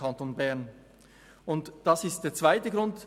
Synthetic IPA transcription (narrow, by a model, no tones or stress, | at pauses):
ɑntoːnbɛɐn | ʊntd̥ɑsɪst̚d̥eːɐt͡sv̥aɪtəɡɾʊnt